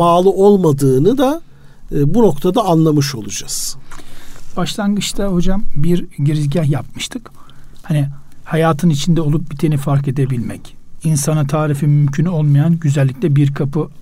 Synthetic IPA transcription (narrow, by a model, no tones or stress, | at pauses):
baːlˠɯo̞lˠmad̪ɯːnɯd̪a | buno̞kt̪ʰad̪aːnlˠamɯʃo̞̰lˠud͡ʒaz̥ | b̥aʃlˠanɡɯt͡ʃt̪ʰaho̞d͡ʒambiɾɟiɾizɟahjap̚mɯʃt̪ʰɯkhanihajaːt̪ʰɯnit͡ʃʰind̪ɛo̞lˠup̚bit̪ʰenifaɾke̞d̪e̞bilʲmɛcinsanɯt̪ʰaːɾifimymcʰyno̞lˠmajanɟyzælʲːi̥cʲlʲɛbiɾkʰapʰɯ